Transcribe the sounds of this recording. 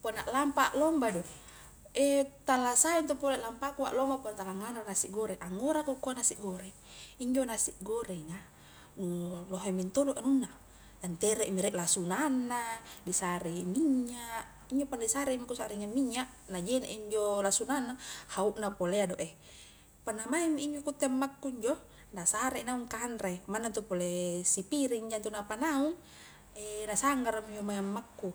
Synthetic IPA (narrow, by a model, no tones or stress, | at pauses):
ponaʔlampaʔlɔmbado | et̪alasajont̪opoleʔlampakua̰ʔlombaponat̪alaŋananasiʔɡoɾeʔaŋoɾakukoanasiʔɡoɾe | iɲd͡ʒonasiʔɡoɾeŋa | nuloɦemint̪odoʔanunːa | dant̪eɾɛʔmiɾɛʔlasunanːadisaɾemiɲaʔ | iɲd͡ʒopaneisaɾemikusaɾiŋamːiɲːaʔ | nad͡ʒeneʔiɲd͡ʒolasunanːahauʔnapoleadoʔe | panːamamːiiɲd͡ʒokut̪ːeamːakːuiɲd͡ʒo | nasaɾeinauŋkanɾemanːat̪upolesipiɾiɲd͡ʒant̪unapanauŋ | enasaŋɡaɾamiɲd͡ʒomaiamːakːu